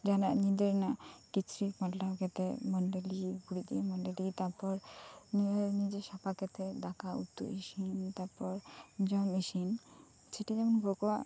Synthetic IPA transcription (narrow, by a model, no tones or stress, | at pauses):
d͡ʒanaʔɲid̪eɾnakit͡ʃʰɾipaʈlawkɛt̪emɔɳɖeliɡuɽid̪imɔɳɖelit̪aɾpɔɾnieɾnid͡ʒeʃapʰakɛt̪ʰed̪akaṵt̪ːṵiʃint̪aɾpɔɾd͡ʒɔniʃin | seʈad͡ʒɛmɔnɡʱokɔwaʔ